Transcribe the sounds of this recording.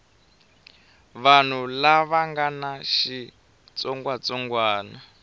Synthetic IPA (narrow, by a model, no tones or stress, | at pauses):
βan̤ulaβaŋɡanaʃi | t͡sɔŋɡwat͡sɔŋɡwaːna